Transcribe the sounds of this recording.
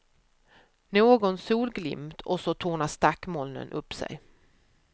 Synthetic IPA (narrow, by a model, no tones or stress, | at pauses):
noːɡɔnsuːlɡlɪ̰mt̪ʰɔsɔt̪ʰuːɳast̪akːmɔlnə̰nʔɵpːsɛ̰j